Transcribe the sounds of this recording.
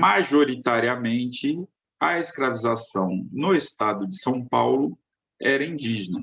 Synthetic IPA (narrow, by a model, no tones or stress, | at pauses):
maʒoɾit̪aɾiɐmẽnt͡ʃɪ | ɐeskɾavizasɐ̃w̃nʊest̪ad̪ʊd͡ʒɪsɐ̃w̃pawlʊ | ɛɾɐĩd͡ʒiʒnɐ